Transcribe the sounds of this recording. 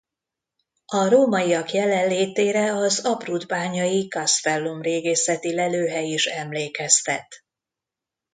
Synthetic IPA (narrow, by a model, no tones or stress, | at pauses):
ɒɾoːmɒjijɒkjɛlɛlleːt̪eːɾɛɒzɒbrud̪baːɲɒjikɒsfɛlːumreːɡeːsɛt̪ilɛløːɦɛjiʃɛmleːkɛst̪ɛt̪